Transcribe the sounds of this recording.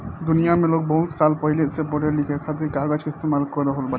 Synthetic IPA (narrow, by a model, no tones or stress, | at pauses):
d̪unijamelok̚bowlsalpɔjlet̪sʰepoʈeɾlikʰekʰat̪iɾkaɡad͡ʑist̪emalkoɾoɦolba